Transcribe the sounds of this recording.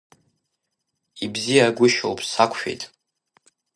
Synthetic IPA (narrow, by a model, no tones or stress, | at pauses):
ibzijaɡʷʊʃo̰wpʼsakʷʰʃᶣḛjtʼ